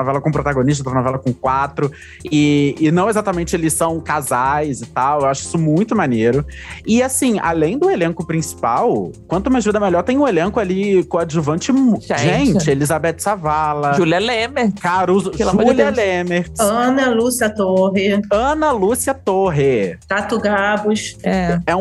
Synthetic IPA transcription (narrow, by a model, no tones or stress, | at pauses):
nɔvɛlɐkõpɾot̪aɡõniʃt̪ɐt̪ɾɐnɔvɛlɐkõkwat̪ɾʊ | ɪɪnɐ̃w̃ezat̪ɐmẽnt͡ʃɪelɪsɐ̃w̃kazajzɪt̪awewaʃʊi̥sʊmũj̃t̪ʊmaneɾʊɪasĩa̰lẽj̃d̪ʊelẽkʊpɾĩsi̥pa̰wkwɐ̃nt̪ʊmãzvĩd̪ɐmɛʎɔɾt̪ẽj̃ũelẽŋkʊalikõɐd͡ʒuvɐ̃nt͡ʃɪʒʒẽt͡ʃɪelizabɛt͡ʃsavalɐʒuljɐlẽmeɾkaɾuzpeʒlɐ̃uljɐlẽmeɾɐ̃nɐlusiɐt̪oɦɪɐ̃nɐlusiɐt̪oɦɪt̪at̪uɡabʊʃɛɛ̃